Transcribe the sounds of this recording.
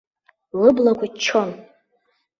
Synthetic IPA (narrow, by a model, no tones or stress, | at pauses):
lɨblakʷʰat͡ʃʰon